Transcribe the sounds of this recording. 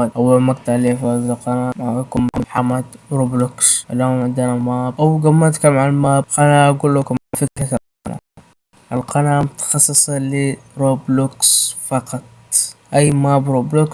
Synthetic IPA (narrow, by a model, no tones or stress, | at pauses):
aʔawːalmaɡt̪aʕleːfaːzalqɑnamaʕaakʊmːaamħamːad̪ɾobluksʔlamʕɪnd̪anamaːbʔawɡamːat̪kamaʕalmaːbqɑnaʔaɡuːlːʊkamafɪkɾakaqɑ̰na̰ | ʔalqɑnamʊt̪ḁxɑsˤːɨsˤɑliɾobluksfɑqɑt̪ˤʔajmaːbɾobluk